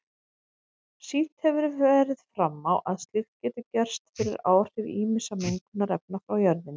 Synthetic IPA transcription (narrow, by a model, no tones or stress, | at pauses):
sit̪hɛvʏɾvɛːɾɪð̥fɾamːawʔaðst̪ɪxt̪̚cɛːt̪ɪcɛr̥st̪fɪɾɪɾa̰ːwr̥ɪɾiːmɪsameŋkɪnːaɾɛp̚nafɾawjœɾðɪn